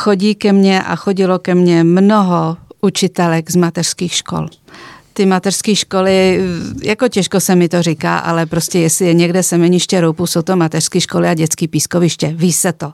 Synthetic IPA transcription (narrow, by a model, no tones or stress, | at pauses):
xoɟiːkɛmɲɛʔa̰xoɟɪlokɛmɲɛmnoɦoʔut͡ʃɪt̪ɛlɛɡzmat̪ɛr̥skiːxʃko̰lt̪ɪmat̪ɛr̥skiːʃkolɪjakocɛʃkosɛmɪt̪orɪka̰ːʔa̰lɛpɾoscɛjɛslɪɛɲɛɡdɛsɛmɛɲɪʃcɛɾowpusowt̪omat̪ɛr̥skiːʃkolɪaɟɛt͡skiːpiːskovɪʃcɛviːsɛt̪o